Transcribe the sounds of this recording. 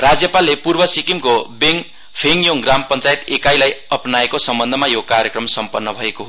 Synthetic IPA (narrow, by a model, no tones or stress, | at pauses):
rad͡zjʌpalːepurbʌsikimkobeŋ | pʰeŋjoŋɡrampʌnt͡sajet̪ekajlajʌpnaekosʌmbʌnd̪ʱʌmajokarjekrʌmsʌmpʌnːʌbʱʌekoɦ